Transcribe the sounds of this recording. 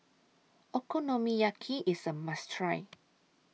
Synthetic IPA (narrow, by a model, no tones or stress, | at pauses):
ɛkʰɔnɔmijakʰiʔisəmastʰɹaɪ